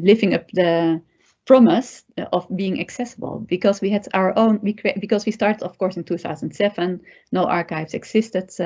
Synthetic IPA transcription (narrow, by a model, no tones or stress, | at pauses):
lɪvɪ̃ŋʌp̚ðə | pɹ̥ɑmɪsɔvbiɪ̃ŋʔɨksɛsəbə̰l̩ˠbikɔzwiɨdaʊə˞ʔõʊ̃nwikʰɹebɨkɔzwistɑɹtədɔfkɔːɹsɪ̃ntʰuθa̰ʊzə̃ntsɛvə̃nː | oʊʔɑɹkaɪvzɨɡz̥ɪstəd